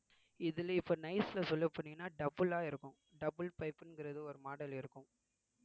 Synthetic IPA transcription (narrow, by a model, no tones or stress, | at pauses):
ɪðɪlɐɪpːoːnɐɪsɪlɐsɔlːɐpːɐɳːɪŋːɐnːaːɖɐbɯlaːɪɾɯkːʊ̃ | ɖɐbɯlpɐɪpːɯnɡɪɾɐðɯɔɾɯmaːɽɐlɪɾɯkːʊ̃m